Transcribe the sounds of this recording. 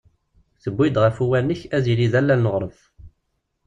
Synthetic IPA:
θəbːid̪ʁəfuwænːəçæzilizælːænnəʁɾˤəv

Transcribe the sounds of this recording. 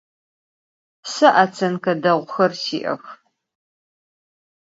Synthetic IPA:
sɨʔɐt͡sʰɐnkʰɐdɐʁʷxɐrsiːʔɐ̰x

